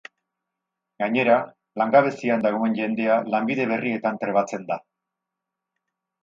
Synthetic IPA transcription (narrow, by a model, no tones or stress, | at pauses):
ɡaɲe̞ɾa | laŋɡaβ̞e̞siand̪aɣ̞o̞e̞nʝe̞nd̪e̞alambiðe̞βe̞rie̞t̪ant̪ɾe̞βat͡se̞nd̪a